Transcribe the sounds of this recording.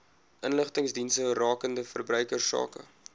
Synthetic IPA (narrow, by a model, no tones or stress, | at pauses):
ʔənləχtəŋsdinsərɑːkəndəfərbrœɥkərsɑ̰ːkə̰